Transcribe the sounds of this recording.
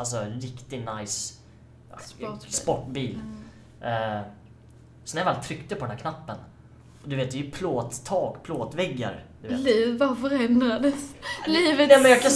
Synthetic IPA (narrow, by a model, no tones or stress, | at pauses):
als̬ɔɾɪkt̪ɪnajs | spɔʈːbiːl | sɔnæɾvalt̪ʰɾʏkt̪əpʰɔdɛnæːkʰnapːən | ɔd̪ɵveːt̪d̪ɛjpʰloːt̪ʰːɑːɡpʰloːt̪vɛɡːa̰ɾd̪̥ɵḛːliːvvafœɾɛnd̪ɾad̪əsliːvəmɛnjɑkʰa